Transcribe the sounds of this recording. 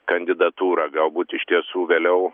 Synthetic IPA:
kɐnʲd̪ʲɪd̪ɐt̪uːɾɐɡɐlˠbuːt̪ʲɪʃt̪ʲiɛsuːʋʲeːlʲɛʊ

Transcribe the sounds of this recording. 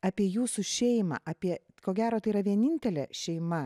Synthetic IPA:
ɑːpʲiɛjuːsuʃʲɛɪmɐ̰ːʔɐpʲiɛ | koːɡʲæːɾoːt̪ɐɪiːɾɐʋʲiɛnʲɪnʲt̪ʲɛlʲɛ̰ʃʲɛɪmɐ

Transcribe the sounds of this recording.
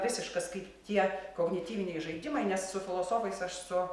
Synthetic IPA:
ʋʲɪsʲɪʃkɐskɐɪpt̪ʲiɛkoːɡnʲɪt̪ʲiːʋʲɪnʲɛɪʒɐɪd̪ʲɪmɐɪnʲɛssʊfʲɪlˠoːsoːfɐɪsɐʃsʊ

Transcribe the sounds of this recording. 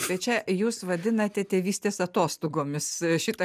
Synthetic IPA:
bʲɛt͡ʃʲɛjuːsʋɐd̪ʲɪnɐt̪ʲɛt̪ʲeːʋʲiːsʲt̪ʲeːsɐt̪oːst̪oːɡoːmʲɪsʃʲɪt̪ɐ

